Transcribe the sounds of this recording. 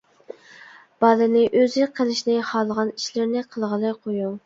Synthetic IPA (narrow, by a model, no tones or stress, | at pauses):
b̥ɑlɨnɪʔøzɪqʰəlˠɪʃnɪhɑlˠəʁɑni̥ʃlɪɾnɪqʰəlˠʁəlˠɨjqʰoju